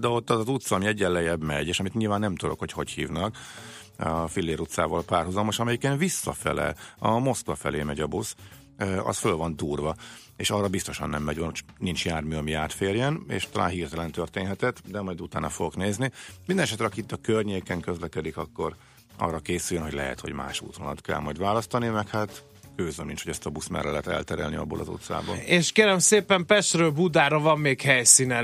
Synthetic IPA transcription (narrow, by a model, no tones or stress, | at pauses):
d̪ɛo̞t̪ːɒzɒzut̪sɒːmiɛɟːɛlːɛjɛbmɛ̰ɟeːʃɒmit̪ɲilvaːnːɛmt̪ud̪o̞̰kho̞cho̞chḭːvnɒk | ɒfilːeːɾut̪sa̰ːvɒlpaːrɦuzɒlmo̞ʃɒmɛjikɛnvisːɒ̰fɛ̰lɛ̰lɒmo̞skvɒfɛ̰leːmɛɟɒbus | øɒ̰sfølvɒnd̪uːrvɒ | eːʃɒrːɒbist̪o̞ʃɒ̰nːɛmːɛɟvɒnut͡ʃnint͡ʃjaːrmyːɒmiaːt̪feːrjɛnḛːʃt̪ɒlʔa̰ːnɦiːrt̪ɛlɛnt̪ørt̪eːnɦɛt̪ɛt̪ːd̪ɛmɒjd̪ut̪aːnɒfoɡokneːznimind̪ɛnɛʃ̬ɛt̪ɾɛɒkit̪ːɒkørɲeːkɛŋkø̞zlɛkɛd̪ikɒkːo̞r | ɒ̰rːɒkeːsyjønɦo̞ɟʲlɛ̰ɦɛ̰t̪hoɟma̰ːʃṵːt̪mɒnɒt̪kɛ̰lmɒjd̪vaːlɒst̪ɒnimɛkhat̪ | køːzømnint͡ʃhoɟɛst̪ɒbusmɛ̰rɛlɛt̪ɛ̰lt̪ɛɾɛ̰lniɒ̰bːoːlʔɒ̰zo̰t̪sa̰ːbo̰leːʃkeːɾɛmseːpɛmpɛʃt̪røːlbud̪aːɾɒvɒmːeːkhɛjsinɛ